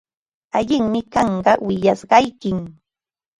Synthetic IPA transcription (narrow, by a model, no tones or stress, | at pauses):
aʎɪŋmɪkɑɴɢɑwɪjasɢɑjkɪm